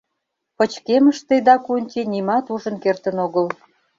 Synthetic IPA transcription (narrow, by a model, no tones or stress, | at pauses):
pə̆t͡ɕkeməʃt̪əjd̪ɑkunʲt̪ʲinimɑt̪uʒə̆nkert̪ə̆noɣəl